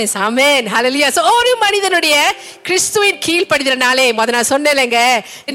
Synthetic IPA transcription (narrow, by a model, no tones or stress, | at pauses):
esaːmeːnɦɐleːlʊjaːsoːoːɾɯmːɐnɪðɐnɯɽɐjɐ | kɾɪst̪ɯʋɪnkiːlpɐɽɪðɪɾɐnaːleːmɐðɐnãːsɔnːẽːlːɛːŋɡɐ